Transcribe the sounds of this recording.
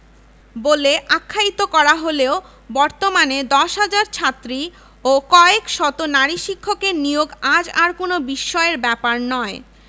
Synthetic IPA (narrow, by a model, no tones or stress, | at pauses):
boleʔakʰːait̪okɔɾaɦoleo | bɔɾt̪omaned̪ɔʃɦad͡ʑaɾt͡ɕʰat̪ːɾi | okɔekʃɔt̪onaɾiʃikʰːokenijoɡad͡ʑaɾkonobiʃːɔeɾbɛpaɾnɔe